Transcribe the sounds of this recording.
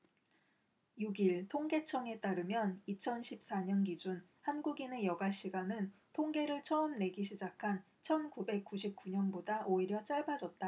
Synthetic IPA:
juɡiɭtʰoŋɡe̞t͡ɕʰʌŋe̞t͈aɾɯmjʌnit͡ɕʰʌnɕʰip̚s͈aɲʌnɡid͡ʑun | hanɡuɡine̞jʌɡaɕ͈ʰiɡanɯntʰoŋɡe̞ɾɯɭt͡ɕʰʌɯmne̞ɡiɕʰid͡ʑakʰan | t͡ɕʰʌnkube̞k̚k͈uɕ̬ʰip̚k͈uɲʌnbodaʔoiɾjʌt͡ɕ͈aɭbad͡ʑʌt̚t͈a

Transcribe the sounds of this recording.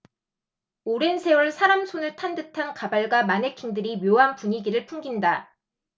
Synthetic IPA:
oɾe̞nsʰe̞wʌɭsʰaɾamsʰonɯɭtʰandɯtʰankabaɭɡwamanekʰiŋdɯɾimjoɦanpuɲiɡiɾɯɭpʰuŋɡinda

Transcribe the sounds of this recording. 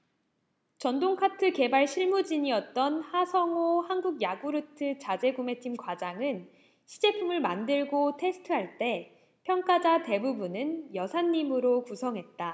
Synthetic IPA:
t͡ɕʌndoŋkʰatʰɯke̞baɭɕʰiɭmud͡ʑiɲiʌt̚t͈ʌnhasʰʌŋohanɡuɡjaɡuɾɯtʰɯt͡ɕad͡ʑe̞ɡume̞tʰimkwad͡ʑaŋɯn | ɕʰi̥d͡ʑe̞pʰumɯɭmandɯɭɡotʰe̞sʰɯ̥tʰɯɦaɭt͈e̞ | pʰjʌŋk͈ad͡ʑate̞bubunɯnjʌsʰaɲːimɯɾokusʰʌŋɦe̞t̚t͈a

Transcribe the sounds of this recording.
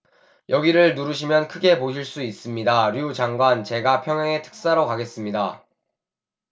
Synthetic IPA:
jʔʌɡiɾɯɭnuɾɯɕ̬ʰimjʌnkʰɯɡe̞poɕʰiɭs͈uis͈ɯmɲidaɾjuut͡ɕaŋɡwant͡ɕe̞ɡapʰjʌŋjaŋe̞tʰɯ̥k̚s͈aɾʌkaɡe̞s͈ɯmɲida

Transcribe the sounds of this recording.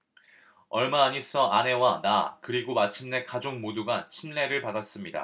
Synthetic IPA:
ʌɭmaːɲis͈ʌane̞wanakɯɾiɡomat͡ɕʰimne̞kad͡ʑoŋmoduɡant͡ɕʰimle̞ɾɯɭpadas͈ɯmɲida̰

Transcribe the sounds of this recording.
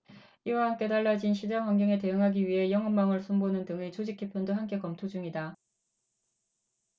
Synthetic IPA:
iwaɦaŋt͈e̞daɭːad͡ʑinɕʰid͡ʑaŋwaŋɡjʌŋete̞ɯŋɦaɡiɥiɦe̞jʌŋɯmːaŋɯɭsʰumbonɯndɯŋit͡ɕod͡ʑik͈ʰːepʰjʌndoɦamk͈e̞kʌmtʰod͡ʑuŋida

